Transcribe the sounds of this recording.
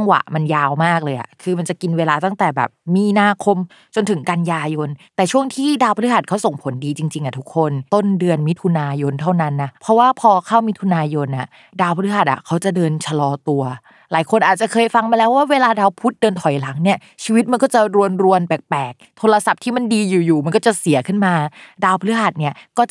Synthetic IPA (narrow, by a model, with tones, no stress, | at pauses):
ŋwa̰˨˩ʔma˧njaː˧wmaː˥˩k̚lɤː˧jʔa̰˨˩kʰɯː˧ma˧nt͡ɕa˨˩ki˧nweː˧laː˧t̪a˥˩ŋt̪ɛː˨˩bɛ̰ː˨˩p̚miː˧naː˧kʰo˧m | t͡ɕo˧nt̪ʰɯ˨˩˦ka˧njaː˧jo˧nt̪ɛː˨˩t͡ɕʰu˥˩əŋt̪ʰiː˥˩daː˧wpʰa˧lɦa˨˩t̪̚kʰa˦˥wso˨˩ŋpʰo˩˦ndiː˧t͡ɕi˧ŋt͡ɕi˧ŋʔa˨˩t̪ʰu˦˥kʰːo˧nt̪o˥˩ndɯ˧ənmi˦˥t̪ʰu˧naː˧jo˧nt̪ʰa˥˩wna˦˥nːa˦˥pʰɔ˦˥waː˥˩pʰɔː˧kʰa˥˩wmi˦˥t̪ʰu˧naː˧jo˧nʔa˨˩ | daː˧wpʰa˧lɯ˦˥ɦa˨˩ʔa̰˨˩kʰa˦˥wt͡ɕa˨˩dɤː˧nt͡ɕʰa˧lɔː˧t̪u˧ɐ | laː˩˦jkʰo˧nʔaː˨˩t̪̚t͡ɕa˨˩kʰɤː˧jfa˧ŋmaː˧lɛː˦˥waː˥˩weː˧laː˧daː˧wpʰu˦˥t̪̚dɤː˧nt̪ʰɔ˨˩˦jla˩˦ŋni˥˩ɐ | t͡ɕʰiː˧wi˦˥t̪̚ma˧nkɔː˥˩t͡ɕa˨˩ɾu˧ənɾu˧ənbɛː˨˩k̚pɛː˨˩k̚t̪ʰoː˧la˧sa˨˩p̚t̪ʰiː˥˩ma˧ndiː˧juː˨˩juː˨˩ma˧nkɔː˥˩t͡ɕa˨˩si˨˩˦ɐkʰɯ˥˩nmaː˧daː˧wpʰlɯ˦˥ɦa˨˩t̪̚ni˥˩ɐkɔː˥˩t͡ɕ